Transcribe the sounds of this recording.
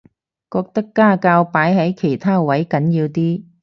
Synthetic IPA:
kɔː˧k̚t̪ɐ˥kːaː˥kaː˧wpaː˨˥jɦɐ˨˥jkʰe˨˩jt̪ʰaː˥wɐ˨˥jkɐ˨˥njiː˧wt̪iː˥

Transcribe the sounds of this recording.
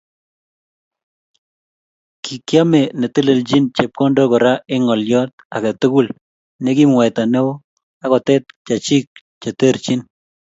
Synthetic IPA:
ki˨kja˦mɛ˨nɛ˨te˦le˨lt͡ʃi˦nt͡ʃɛ˨p̚kɔ˦ndɔ˦kɔ˨ɾa˦ɪ˦ŋɔ˨ljɔ˦t̪̚a˨kɛ˨t̪ʊ˦ku˦˨l | nɛ˦ki˦mwa˨jt̪a˨nɛ˦o˦ | a˦kɔ˨tɛ˦t̪̚t͡ʃa˨t͡ʃi˦k̚ | t͡ʃa˨te˦ɾt͡ʃi˦n

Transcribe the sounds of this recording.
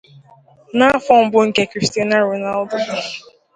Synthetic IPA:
na˦a˦fɔ˦m̩˦bʊ˦ŋ̩˦ke˨˦kɾi˨sti˦na˦ɾo˨na˦ldʊ˦˨

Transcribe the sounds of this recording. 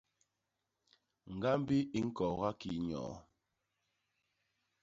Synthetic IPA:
ŋ̩˨ɡa˦m˦bi˦i˦ŋ̩˦kɔ˨ɣa˦ki˨˦ɲɔ̰ː˨˦

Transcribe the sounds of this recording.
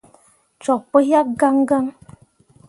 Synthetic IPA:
t͡ʃɔ˨k̚pə˦ɦja˦k̚ɡa˦ŋɡa˦ŋ

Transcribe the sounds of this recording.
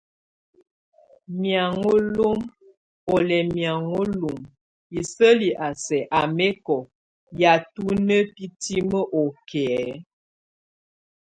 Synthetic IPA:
mja˨ŋo˦lo˦m | o˨lɛ˨mja˨ŋo˦lu˨m | i˨sə˦li˨ʔa˨sɛ˨ʔa˨mɛ˦kɔ˨ | ja˨tu˦nə˦pi˦ti˦mə˦ʔo˨kʰɛ˨ɛ˦

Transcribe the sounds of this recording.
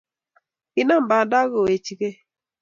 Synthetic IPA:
i˨na˦mba˨da˦ɣo˨e˨t͡ʃi˨ke˦

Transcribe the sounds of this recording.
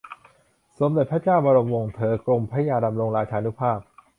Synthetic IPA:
so˩˦mde˨˩t̪̚pʰa˦˥t͡ɕaː˥˩wba˧ɾo˧mwo˧˩ŋt̪ʰɤː˨˦kɾo˧mpʰa˦˥jaː˧da˧mɾo˧ŋɾaː˧t͡ɕʰaː˧nu˦˥pʰaː˥˩p̚

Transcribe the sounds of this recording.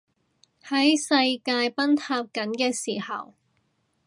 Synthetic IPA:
hɐ˨˥jsɐ˧jkaː˧jpɐ˥nt̪ʰaː˧p̚kɐ˨˥nkɛː˧siː˨˩hɐ̰˨˩w

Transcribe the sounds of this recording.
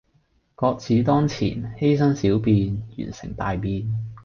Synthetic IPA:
kɔː˧k̚t͡sʰiː˨˥t̪ɔː˥ŋt͡sʰḭː˨˩nhe˥jsɐ˥nsiː˨˥wpiː˧njy̰ː˨˩nsɪ̰˨˩ŋt̪aː˨jpiː˧n

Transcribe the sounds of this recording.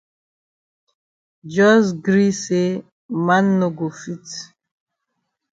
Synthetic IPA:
d͡ʒɔ˦zɡɾi˦se˦ | ma˦nːo˨ɡo˨fi˦t

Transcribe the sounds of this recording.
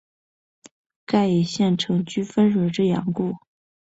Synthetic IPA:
ka˥˩ɪi˨˩ɕjɛ˥˩nʈ͡ʂʰɤ˧˥ŋt͡ɕy˥fə˥nɻə˨˩ʈ͡ʂə˥˩jɑ̰˧˥ŋku˥˩

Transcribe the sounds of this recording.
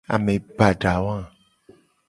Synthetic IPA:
a̰˨mẽ˨ba˨ɖa˨wã˦

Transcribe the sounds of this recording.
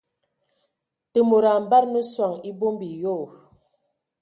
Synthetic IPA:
tə˨mo˨ɾa˨m˨ba˦ɾnə˦swa˨ŋi˦bo˦mbi˨jo˦˨

